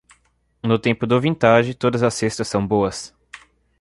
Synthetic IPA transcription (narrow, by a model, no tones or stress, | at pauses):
nʊt̪ẽmpʊd̪ʊvĩnt̪aʒɪt̪od̪ɐzɐsest̪ɐsːɐ̃w̃boɐs